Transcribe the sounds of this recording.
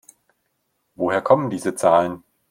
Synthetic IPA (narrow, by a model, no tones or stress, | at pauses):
voɦeːɐkʰɔməndiːzət͡saːlən